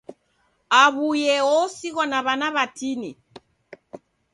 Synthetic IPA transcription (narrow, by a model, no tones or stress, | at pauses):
aβujɛɔsiɣɔnaβanaβatini